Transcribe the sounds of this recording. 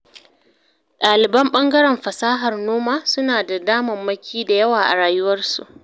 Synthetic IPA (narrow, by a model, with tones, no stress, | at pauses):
ɗaː˨lɪ˨bɐ˦mɓɐ˦ŋɡɐ˦ɾɛ˨mɸɐ˨saː˦ɦɐ˨rnoː˦maː˦sʊ˦naː˨da˨daː˦mɐ˨mːɐ˦kʲʰiː˦da˨jɐ˦waː˨ʔa̰˨ɽaː˨jʊ˦wɐ˦rsṵ˨ʔ